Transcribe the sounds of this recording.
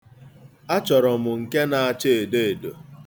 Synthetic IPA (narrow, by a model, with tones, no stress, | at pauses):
a˦t͡ʃɔ˨ɾɔ˨mʊ˨ŋ̩˨ke˦na˨a˨t͡ʃe˦e˨de˦e˨do˨